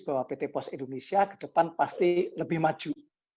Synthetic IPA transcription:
b̥awapet̪epɔsind̪onesiakə̥ɖ̥əpanpast̪iləbɪhmad̥ʒ̥uʔ

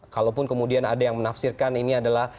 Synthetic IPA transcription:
kalawpʊnkəmudianadajaŋmənafsɪrkaniniadalah

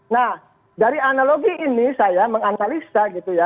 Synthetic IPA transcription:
nah | daɾianaloɡiʔːnisajaməŋanalisaɡit̪uja

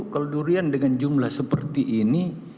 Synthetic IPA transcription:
kaloduɾiandəŋand͡ʒumlahsəpərt̪iʔːni

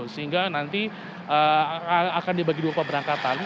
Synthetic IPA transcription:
səɦiŋɡanant̪i | əaakandibaɡiduapabəɾaŋkat̪an

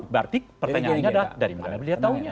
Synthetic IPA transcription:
bart̪ɪk̚pərt̪aɲaanɲadadaɾiməɡanabəliat̪auɲa

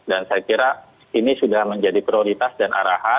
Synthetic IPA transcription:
dansajakiɾa | inisudahməɲd͡ʒadipɾioɾit̪asdanʔa̰ɾaha

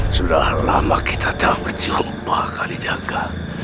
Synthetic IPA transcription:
sudala̰makit̪ʰat̪abərt͡ʃioʔbakalid͡ʒaɡa

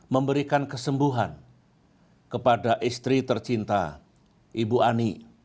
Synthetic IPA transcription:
məmbəɾikankəsəmbuɦa̰n | kəpadaʔist̪ɾit̪ərt͡ʃint̪a̰ | ʔibuʔani

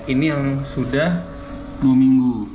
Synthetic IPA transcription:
inijaŋsudah | duamiŋɡu

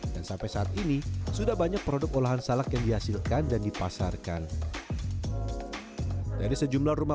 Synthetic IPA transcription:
dansampajsaːt̪̚inisudahbaɲak̚pəɾodʊk̚olaɦansalakjaŋdiɦasilkandandipasarkan | dadisəd͡ʒumlaruma

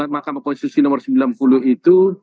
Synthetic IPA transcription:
makamakɔnsit̪usinɔmərsəmbilanpuluhit̪u

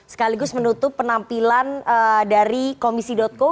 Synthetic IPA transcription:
sə̥kaliɡʊsmənut̪ʊpːənampilanədaɾikomisidɔt̪̚ko

